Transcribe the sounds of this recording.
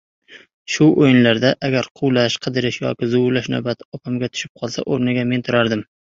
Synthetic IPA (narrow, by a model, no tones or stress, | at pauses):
ʃʊʔojɪnlaɾd̪aʔaɡʲaɾqʰʊwlaʃqʰɨd̪ɪɾɪʃjɒ̰kʲɪzʊlaʃna̰wbat̪ɒpʰamɡʲat̪ʰʊ̥ʃɪ̥p̚qʰɒlˠsa̰ʔoɾnɪɡʲame̞nt̪ʰʊɾaɾd̪ɪm